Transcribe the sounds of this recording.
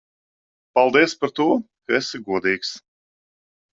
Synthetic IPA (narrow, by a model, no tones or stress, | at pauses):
palˠd̪iɛspaɾt̪uɔ | kaɛsiɡuɔd̪iːks